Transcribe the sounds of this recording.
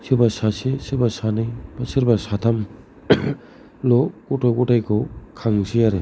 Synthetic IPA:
sibasasesiɾbasanajbasiɾbasatʰam | lɔkutɔwkutajkʰowkʰaŋsʰiaɾe

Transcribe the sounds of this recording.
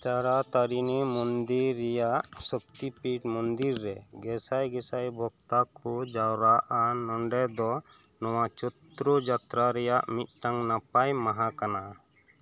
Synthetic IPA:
t͡ʃaɾat̪aɾinimɔnd̪iɾːɛjaʔsək̚t̪ipiʈmɔnd̪iɾːɛɡɛsajɡɛsajbʱɔɡt̪akʰɔd͡ʒawɾaʔanɔɳɖɛd̪ɔ | nɔwat͡ʃɔt̪ɾɔd͡ʒat̪ɾaɾɛjaʔmit̪̚ˀʈaŋnapajmaɦakana

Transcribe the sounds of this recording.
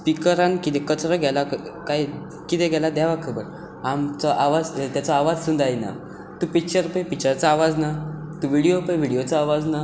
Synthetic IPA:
spikəɾankit̪ekət͡sɾəɡʱɛlakaj | kit̪ẽɡʱɛlad̪aʋakʰəbəɾ | amt͡sɔʔaʋad͡zt̪jat͡sɔaʋad͡zsund̪ajna̰ | t̪ũpikɕəɾpəjpikɕəɾt͡saaʋad͡znat̪ũʋiɽijopəjʋiɽijot͡sɔaʋad͡zna

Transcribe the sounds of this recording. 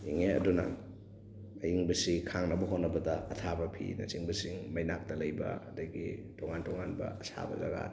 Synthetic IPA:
iŋeɐ̰duna̰ | ɐjiŋbɐsikʰaŋnɐbɐɦotnːɐbɐdɐɐtʰabɐpʰḭnɐ̰siŋbɐsiŋmɐjnak̚tɐlɐjbɐ̰ɐdɐɡitoŋantoŋanbɐ̰ɐsa̰bɐ̰za̰ɡa̰

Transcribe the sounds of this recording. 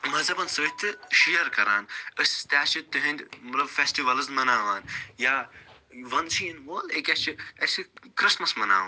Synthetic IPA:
mɐzɐbɐnsɨit̪ːɨʃijɐɾkɐɾa̰ːnəsʲst̪ʲaːt͡ʃʰit̪ɨɦɐ̃nd̪ʲmɐt̪lɐbfesʈiʋɐlɨzmɐnaːʋaːnjaːʋɐnsiinʋoːlekʲɐst͡ʃʰiɐsʲikɾɪsmɐsmɐna̰ːʋɐːn

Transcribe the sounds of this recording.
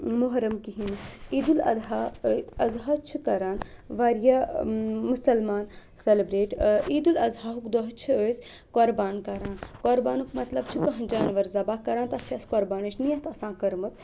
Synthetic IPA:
moɦɾɐmkiɦiniːd̪ulɐ̰d̪ɦaɐzɦat͡ʃʰikɐɾaːnʋaɾjɐ | musɐlmaːn | sɐlibɾeːʈiːd̪ulɐzɦaːɦukd̪ɔɦt͡ʃʰiəsʲ | koːɾbaːnkɐɾaːnkoːɾbaːnukmɐt̪lɐb̚t͡ʃʰikɐɦɐnd͡ʒaːnʋɐɾzɐbaːkɐɾaːnt̪ɐt͡ʃʰiɐskoɾbaːnɐt͡ʃʰnijɐɦt̪ɐsãːkɐɾmɐt̪ʰ

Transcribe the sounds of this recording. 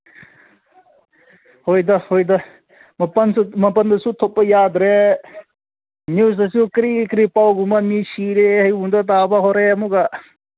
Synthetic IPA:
hojd̪ɐhojd̪ɐ | mɐpɐnsumɐpɐnd̪ɐsut̪ʰɔp̚ːɐjad̪ɾe | nus̬ɐsukɾikɾipawɡumamisiɾehɐjund̪ɐt̪̬abaɦɔɾeɐmuɡa

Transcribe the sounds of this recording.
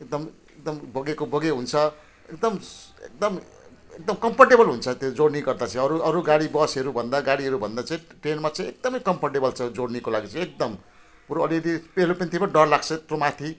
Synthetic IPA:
ek̚d̪ʌm | ek̚d̪ʌmbʱoɡekobʱoɡeɦunt͡sʰʌ | ekd̪ʌmḛk̚d̪ʌm | ek̚d̪ʌmkʌmpʰʌrʈebʌlɦunt͡sʰʌt̪jod͡zoɽniɡʌrd̪at͡sʌ̃ʌɾuʌɾuɡaɽibʌsʌɾubʱʌnd̪aɡaɽiɦʌɾubʱʌnd̪at͡saĩʈrenmat͡saĩek̚d̪ʌmʌjkʌmpʰʌrʈebʌlt͡sʰʌd͡zoɽnikolaɡit͡saĩek̚d̪ʌm | puɾoʌlikʌd̪ipelopent̪ʰimaɖʌrlak̚t͡sʰʌt̪romat̪ʰi

